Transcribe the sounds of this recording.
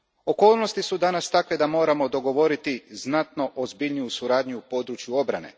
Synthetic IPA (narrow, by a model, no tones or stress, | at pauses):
o̞ko̞ːlˠno̞st̪isud̪anast̪akʋe̞d̪amo̞ːɾamo̞d̪o̞ɡo̞ʋo̞ɾit̪iznat̪no̞ʔozbiʎnijusuɾaːd̪ɲuupo̞d̪ɾut͡ʃjuo̞bɾa̰ne̞̰